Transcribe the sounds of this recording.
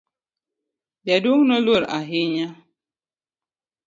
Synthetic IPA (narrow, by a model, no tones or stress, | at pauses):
jaduŋnɔloɾa̰ɦiɲa